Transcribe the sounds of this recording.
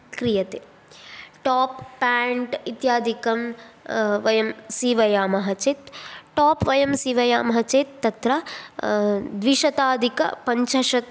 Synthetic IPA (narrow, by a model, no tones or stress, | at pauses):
kɾijɐt̪eː | ʈaːpːaːɳʈit̪jaːd̪ʱikɐm | ʋɐjɐmsiːʋɐjaːmɐɦɐt͡ʃeːt̪ʈaːpʋɐjɐmsiːʋɐjaːmɐɦɐt͡ʃeːt̪ːɐt̪ɾɐ | d̪ʋiʂɐt̪aːd̪ʱikɐ̰pɐɲt͡ʃɐʃɐt̪